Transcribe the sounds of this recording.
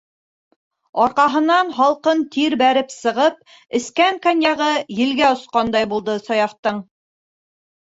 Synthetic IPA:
ɒɾqɑɦɤ̆nɑnɦɑlˠqɤnt̪iɾbæɾɘpsɤ̆ʁɤp̚ | ɘ̆skæŋkanjɑʁɤjɘ̆lɡæŏsqɑnd̪ɑjbulˠd̪ɤsɒjɑχt̪ɤɴ

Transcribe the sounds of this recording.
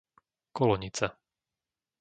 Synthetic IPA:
kɔlɔɲit͡sa

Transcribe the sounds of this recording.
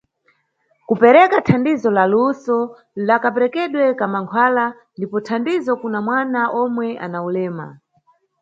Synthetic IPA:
kupɛɾɛkatʰandizɔlalusɔ | lakapɛɾɛkɛɗwɛkamaŋkʰwala | ndipɔtʰandizɔkunamwanaʔɔmwɛʔa̰naulɛːma̰

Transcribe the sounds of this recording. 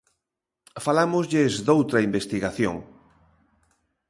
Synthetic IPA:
falamʊzʎɪzd̪owt̪ɾɐimbest̪iɣaθjo̰ŋ

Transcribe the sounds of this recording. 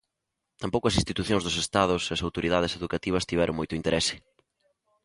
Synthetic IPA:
t̪ampowkʊɐs̬ĩnst̪it̪uθjoŋzðʊsest̪aðʊseɐsawt̪oɾiðaðɪseðukat̪iβ̞ɐst̪iβɛɾʊ̰ŋmojt̪ʊint̪eɾɛsɪ̥

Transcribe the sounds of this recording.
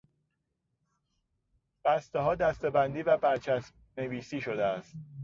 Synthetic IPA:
b̥æst̪eɦɒːd̪æst̪e̞bænd̪iːvæbæɾt͡ʃʰæsm | neviːsiːʃod̪eæst̪̚

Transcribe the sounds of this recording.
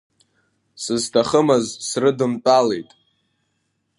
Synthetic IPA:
sɨztʰaχəmazsrɨdɨmt͡pʼalejtʼ

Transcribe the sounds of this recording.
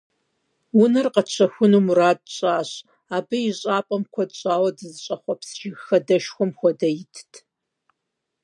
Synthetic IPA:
wʊnɐrqɐt͡ʃʷʰɐxʷʊnuːmuraːd̚ɕʼaːɕ | aːbɨjiɕʼaːpʼɐmkʷʰɔdɕʼaːwɐdɨzɨɕʼɐχʷɔpsʒɪɣxɐdɐʃxʷɔmxʷɔdɐjɪtʰtʰ

